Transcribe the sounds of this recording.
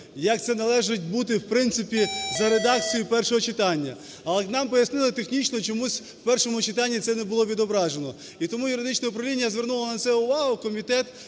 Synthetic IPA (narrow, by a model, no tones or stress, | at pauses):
jɐk̚t̪sɛnɐlˠɛʒɪt̚ʲbut̪̬ɪwpɾɪnsɪpʲizɐɾed̪ɑk̚t͡sʲijʊpɛrʃɔɦɔt͡ʃɪt̪ɑnʲːɐ | ɐlˠɛnɑmpɔjɐsnɪlˠɪt̪exnʲit͡ʃnɔt͡ʃɔmusʲ | wpɛrʃɔmʊt͡ʃɪt̪ɑnʲːit̪sɛnɛbʊlˠɔʋʲid̪ɔbɾɑʒenɔ | it̪ɔmujʊɾɪd̪ɪt͡ʃnɐʊpɾɐʋlʲinʲjɐzʋʲe̞rnulˠɐnɐtsɛʊʋɑɦʊkɔmʲit̪ɛt̪